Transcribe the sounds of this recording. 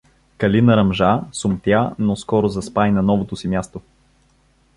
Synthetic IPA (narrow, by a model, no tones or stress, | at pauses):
kɐlinɐɾɐmʒasʊmt̪janoskɔɾozɐspajnɐnɔvot̪osimʲjast̪o